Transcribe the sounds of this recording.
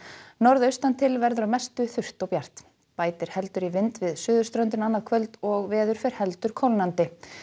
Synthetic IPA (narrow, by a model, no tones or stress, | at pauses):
nɔɾðœɥst̪ant̪ʰɪlvɛɾðʏɾamɛst̪ʏθʏr̥t̪ɔwpjar̥t̪ | paːjt̪ɪɾ̥hɛlt̪ʏɾivɪnt̪vɪðsʏːðʏst̪ɾœnt̪ɪnanːḁkʰvœlt̪ɔɣvɛːðʏɾ̥fɛɾ̥hɛlt̪ʏɾ̥kʰɔwlnant̪ɪ